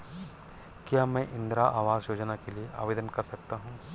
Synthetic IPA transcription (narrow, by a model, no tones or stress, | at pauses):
kjaːmɛ̃ːʔɪ̃nd̪ɾaʔaːʋaːzjoːd͡ʒnakelieʔa̰ːʋeːd̪ənkɐɾsɐk̚t̪aɦũː